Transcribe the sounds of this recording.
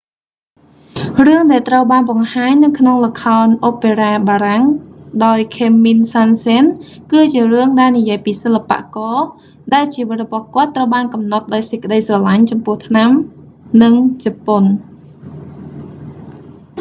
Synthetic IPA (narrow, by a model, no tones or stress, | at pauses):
rɨəŋɗaɛlt̪rəwɓaːnɓɑŋhaːɲnɨwkʰnoŋlə̆kʰaɔnʔoːpeːraːɓaːɾaŋɗaɔjkʰeːmːinsansen | kɨːt͡ɕiərɨəŋɗaɛlnijiəjpiːsəlːapa̰ʔkɑː | ɗaɛlt͡ɕiːʋɨt̪̚rɔɓɑhkŏət̪ːrəwɓaːnkɑmnɑt̪̚ɗaɔjsəc̚kə̆ɗəjsrɑlaɲt͡ɕɑmpʊ̆əht̪ʰnam | nɨŋt͡ɕapon